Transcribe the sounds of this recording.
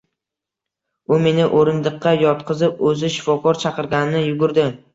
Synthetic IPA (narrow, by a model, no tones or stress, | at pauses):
ʊme̞nɪʔoɾɪnd̪ɨqʰːɑjɒt̪qʰɨzɪpɵzɪʃɪ̥fɒkʰɒɾt͡ʃʰɑqɨɾɡʲanɪnɪjʊɡʲʊɾd̪ɪ